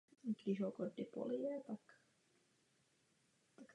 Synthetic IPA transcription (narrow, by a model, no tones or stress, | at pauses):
ik̪isokod̪ːipo̰ljeːt̪ɑikː | t̪ɑkː